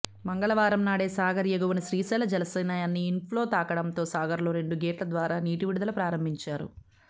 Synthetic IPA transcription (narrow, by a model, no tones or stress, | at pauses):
mɐŋɡɐɭɐʋaːɾɐmnaːɽeːsaːɡɐɾjɐɡɐʋunɐʃɾiːsɛːlɐd͡ʒɛnɐsɐjnaːjaːnːiːnpʰlo̞ːt̪aːkɐɽɐmt̪o̞ːsaːɡɐɾloːɾe̞ɳɖuɡeːʈlɐd̪ʋaːɾaːniːʈiʋiɽud̪ɐlupɾaːɾɐmbʱiɲt͡ʃaːɾṵ